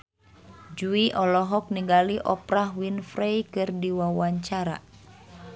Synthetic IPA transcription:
d͡ʒuiʔɔlɔɦɔk̚niŋɡaliʔɔpɾahwinfɾejkɨrdiwawaɲt͡ʃaɾa̰

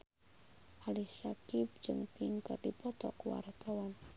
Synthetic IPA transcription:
ʔaliʃakip̚d͡ʒɨŋpiŋkərdipɔt̪ɔ̰kuwa̰rt̪awan

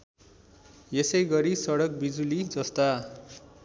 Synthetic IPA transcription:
jesʌjɡʌɾisʌɽʌk̚bid͡zulid͡zʌst̪a

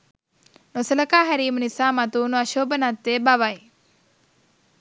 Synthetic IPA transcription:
nosɐlɐkaːɦɐɾiːmɐnisaːmɐt̪uːnuɐʃoːbɐnat̪ːeːbaʋaj

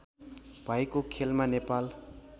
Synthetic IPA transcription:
b̥ʱajkokʰelmanepal

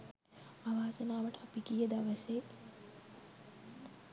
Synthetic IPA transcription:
aʋaːsɐnaːʋəʈəapikijəd̪aʋɐse

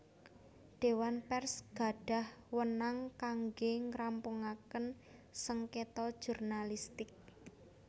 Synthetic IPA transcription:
ɖ̥e̤wanpɛrsɡ̥a̤ɖ̥a̤hwənaŋkaŋɡeŋɾampuŋakən | səŋket̪ɔd̥ʒ̥urnalist̪ɪk̚

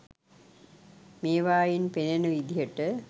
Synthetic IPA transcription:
meːʋaːjinpenenəʋid̪ijəʈə

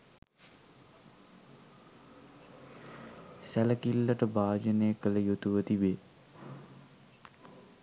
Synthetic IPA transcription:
sæləkilːəʈəbaːd͡ʒənejkələjut̪uʋət̪ibeː

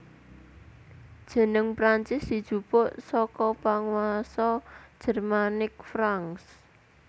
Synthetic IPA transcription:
d̥ʒ̥ə̤nəŋpɾant͡ʃɪsdi̤d̥ʒ̥ṳpɔʔsɔkɔpaŋwasɔd̥ʒ̥ə̤rmanɪk̚fɾaŋs

